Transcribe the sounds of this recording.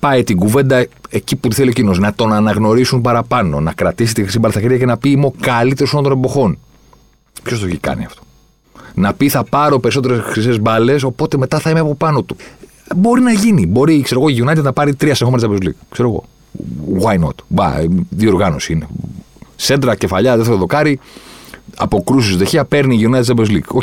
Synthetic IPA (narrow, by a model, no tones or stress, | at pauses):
pɐit̪iɡuve̞nd̪ɐeciput̪iθelio̞cino̞snɐt̪o̞nɐnɐɣno̞ɾisumpɐɾɐpɐno̞nɐkɾɐt̪isit̪ixɾisibɐlsɐçiɾʝɐcenɐpimokɐlit̪eosond̪one̞bo̞xo̞n | pço̞st̪oeçikɐ̰nḭɐft̪o̥ | nɐpiθɐpɐɾo̞pe̞ɾiso̞t̪e̞ɾesxɾisezbɐle̞so̞po̞t̪e̞me̞t̪ɐθɐimeɐpo̞pɐnot̪u | bo̞ɾinɐʝinibo̞ɾikse̞ɾo̞ɣoiʝionɐt̪t̪nɐpɐɾit̪ɾiɐsnexoenezɐbezlḭkkse̞ɾo̞ɣo̰ | ɣwɐjno̞̰t̪bɐ̰ðioɾɣɐnosiine̞ | send̪ɾɐce̞fɐʎɐðeθt̪eoðo̞kɐɾi | ɐ̰po̞kɾusisðeçeɐpe̞ɾniʝionɐt̪izɐbezlḭko